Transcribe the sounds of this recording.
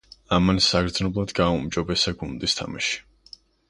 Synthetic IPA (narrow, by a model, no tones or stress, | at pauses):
amansaɡɾd̪znɔblˠad̪ɡaumd͡ʒɔbɛsaɡund̪ist̪ʰa̰maʃi̥